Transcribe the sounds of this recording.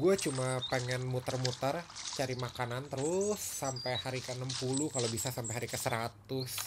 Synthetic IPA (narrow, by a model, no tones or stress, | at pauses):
ɡuat͡ʃumapəŋɛnmut̪ərmut̪ərt͡ʃaɾimakanant̪əɾʊsːampɛjhaɾikəənəmpulukalobisasampejɦaɾikəsəɾat̪ʊs